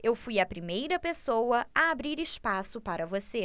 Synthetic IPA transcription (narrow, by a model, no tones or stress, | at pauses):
ewfujɐpɾimejɾɐpesowɐɐabɾiɾɪʃpasʊpaɾɐvose